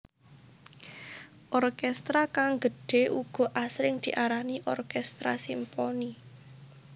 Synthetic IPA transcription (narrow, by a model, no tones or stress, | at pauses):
ʔɔrkɛst̪ɾakaŋɡə̤ɖ̥e̤ʔuɡ̥ɔ̤ʔasɾɪŋd̪̥i̤ʔaɾaniʔɔrkɛst̪ɾa̰simpɔni